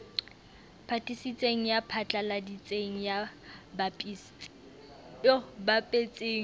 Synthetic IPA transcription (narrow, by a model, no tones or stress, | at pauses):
pʰatʼisit͡sʼeŋ̩japʰat͡ɬʼaladit͡sʼeŋ̩jabapʼisʼ | obapʼet͡sʼeːŋ̩